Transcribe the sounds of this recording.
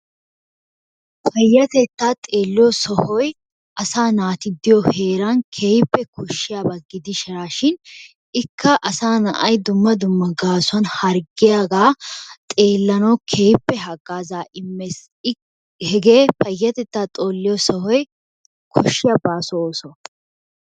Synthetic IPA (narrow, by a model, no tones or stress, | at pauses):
pʰɐjːɐt̪ɛt̪ːaːt̪ʼeːlːɪjɔsɔhɔj | ʔɐsaːnaːt̪ɪd̪ːɪjɔhe̞ːɾɐnkʰeːpːɛkʊʃːɪjabɐɡːɪd̪ɪʃɪɾaːʃɪn | ɪkʰːɐʔɐsaːnɐ̰ʔɐjd̪ʊmːɐd̪ʊmːɐɡaːsɐnhɐɾɡɪjaːɡaːt̪ʼeːlːɐnɐwkʰeːpːɛɦɐɡːaːzaːʔɪmːes | hɛɡeːpɐjːɐt̪ɛt̪ːaːt̪ʼoːlːɪjɔsɔhɔj | kʰʊʃːɪjɐbaːsɔoːsɔ